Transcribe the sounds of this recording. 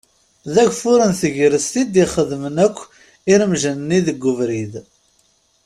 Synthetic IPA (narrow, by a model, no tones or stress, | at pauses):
ðæɡʷfʊɾənθəʝɾəst̪id̪iχəðmənækʷː | iɾəmʒənnːiðəɡʷːʊvɾið